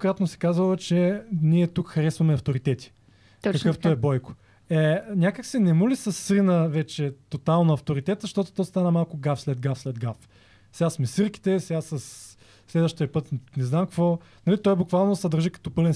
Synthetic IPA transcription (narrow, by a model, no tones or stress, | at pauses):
kɾat̪nosɛ̥kazəlˠət͡ʃɛniɛt̪ukxɐɾɛsvɐmɛɐft̪oɾit̪ɛt̪i̥ | kɐkɤft̪oɛbɔjkʊ̥ | ɛnʲakəksɛnɛmulisɐsːɾinəvɛt͡ʃɛt̪ot̪alˠnɐft̪oɾit̪ɛt̪zɐʃt̪ɔt̪o̥t̪ɔjst̪anəmalˠkʊɡafslɛd̪̚ɡafslɛd̪ɡaf | sɛasmɛsəɾki̥t̪ɛsɛɡasɐsː | lɛd̪vəʃt̪iəpɤt̪nɛznamkɐkvɔ | nɐlit̪ɔjbʊkvalˠnosɐd̪əɾʒikɐ̥t̪ɔpɤlɛn